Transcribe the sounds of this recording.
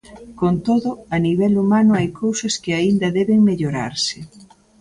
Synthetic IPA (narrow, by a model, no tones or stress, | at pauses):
kont̪oðʊɐniβ̞ɛlumanʊajkʰowsɐskɪaind̪ɐðɛβɪŋmeʎoɾa̰ɾsɪ